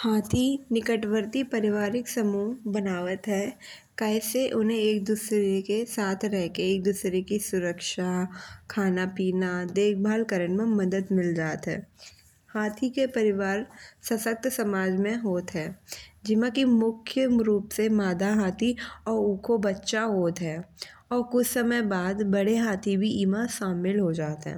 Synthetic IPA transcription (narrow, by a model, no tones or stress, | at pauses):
haːt̪ʰinɪkəʈʋəɾt̪ipɐɾɪʋaːɾɪksɐmuːɦbɐnaːʋət̪ɦɛː | kɛːseʔʊnɦẽeːk̚d̪uːsɾekesaːt̪ʰɾɛɦkeeːk̚d̪uːsɾekisʊɾəkʃakʰaːnapiːnad̪eːk̚ʰbʱaːlkəɾənmẽmɐd̪əd̪mɪld͡ʒaːt̪ɦɛ̰ː | haːt̪ʰikepɐɾɪʋaːɾsɐsək̚t̪sɐmaːd͡ʒmẽɦoːt̪ɦɛːd͡ʒɪmãkimʊkʰjəmɾuːpsemaːd̪aɦaːt̪ʰiɔːɾuːkʰobɐtːʃaɦoːt̪ɦɛːɔːɾkʊt͡ʃʰsɐməjbaːd̪bɐɽeɦaːt̪ʰibʱiiːmaʃaːmɪlɦod͡ʒaːt̪ɦɛ̰̃ː